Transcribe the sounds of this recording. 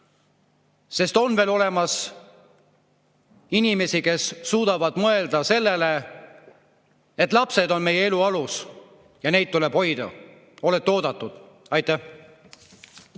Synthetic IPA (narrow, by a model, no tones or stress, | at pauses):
se̞st̪o̞nve̞ːlo̞le̞mɑs | inime̞sike̞sːuːd̪̥ɑvɑd̪̥mɤe̞ld̪̥ɑse̞lːele | et̪ːˑlɑpse̞d̪o̞nme̞jee̞luɑlus | jɑne̞jd̪̚t̪uleb̥ho̞jd̪̥ɑ̰ | o̞let̪ːo̞ːd̪ɑt̪ːˑud̪̥ | ɑjt̪ˑæh